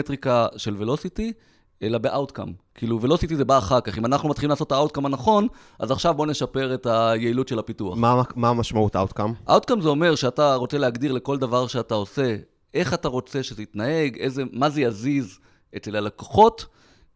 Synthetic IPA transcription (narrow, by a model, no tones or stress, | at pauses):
etʁikaʃe̞lvelo̞siti | elabe̞ʔawt̪ka̰mkiiluvelo̞sitize̞baːχaʁkaχimanaχnumat̪χilimlaːsotaawt̚kamanaχo̞n | a̰zaχʃavbo̞ne̞ʃape̞ʁe̞tajeilutʃe̞lhapitua̰χamamaʃmauta̰wtkamʔa̰wtkamzeo̞me̞ʁʃeataʁo̞t͡se̞leaɡd̪iʁle̞ko̞ldavaʁʃeatao̞se̞ | e̞χataʁo̞t͡se̞ʃe̞zeitnae̞ɡeze̞maze̞jaziz | etlelalako̥χo̞t